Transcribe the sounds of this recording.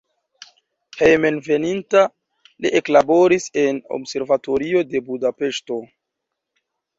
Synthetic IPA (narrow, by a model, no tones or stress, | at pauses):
hejme̞nve̞ninta | liʔeklabo̞ɾise̞no̞̰bse̞ɾvato̞ɾio̞de̞budape̞ʃto̞